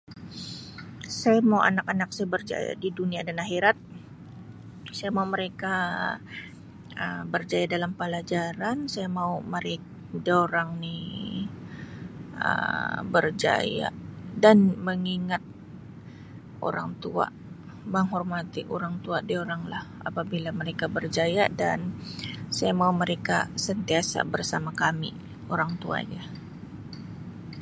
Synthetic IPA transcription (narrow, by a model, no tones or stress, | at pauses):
sajamauʔa̰nakanak̚sajabərd͡ʒa̰ja̰diduniadanaɦeɾat̪̚ | sajamauməɾeka | əbərd͡ʒajadalampəlad͡ʒaɾansajamauməɾek | doɾaŋni | ə̰bərd͡ʒa̰ja̰danməŋiŋat̪̚ | o̰ɾaŋt̪ua̰ | məŋɦɔrmat̪iʔoɾaŋt̪uadioɾaŋlah | a̰pabilaməɾekabərd͡ʒajadansajamauməɾeka̰sənt̪iasa̰bərsamakamḭ | oɾaŋt̪ua̰ɲa